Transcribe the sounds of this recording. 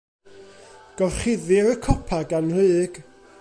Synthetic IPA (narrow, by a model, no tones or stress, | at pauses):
ɡ̥ɔrχɪðɪɾəkʰɔpʰaɡanrɨːɡ̥